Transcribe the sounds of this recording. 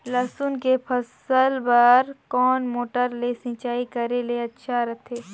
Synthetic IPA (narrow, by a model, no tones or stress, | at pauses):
lɐsunkepʰɐsəlbəɾkɔːnmoːʈəɾlesɪ̃t͡ʃaːikɐɾeleɐtːʃʰaɾɐt̪ʰeː